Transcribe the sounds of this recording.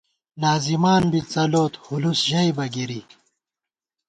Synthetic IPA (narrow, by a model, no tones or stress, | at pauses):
naːzimaːnbit͡sɐloːt̪hulusʑɐjbɐɡiɾi